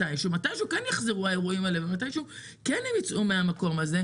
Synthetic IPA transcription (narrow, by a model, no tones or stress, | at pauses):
ajmʃumatajʃeukenjaχziʁuae̞ʁuimalevemat̬ajʃeu | kenhemit͡sʔumeamako̞maze̞